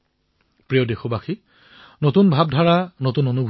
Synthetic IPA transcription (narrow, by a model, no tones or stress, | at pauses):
pɹijodexobaxi | notunbʱab̚dʱaɹanotunonubʱ